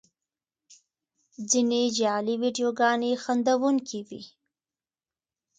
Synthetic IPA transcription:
d͡zined͡ʒɑliwiɖjoɡɑnexand̪awuŋkʰiwḭ

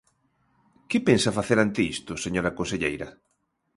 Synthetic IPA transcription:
kɪpensafaθeɾant̪ɪist̪ʊseɲoɾɐkõnseʎejɾɐ

